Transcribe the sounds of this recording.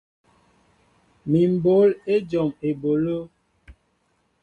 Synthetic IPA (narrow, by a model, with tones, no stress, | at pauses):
mi˨m̩˨bo˨˦le˦d͡ʒɔ˨me˨bo˨lo˦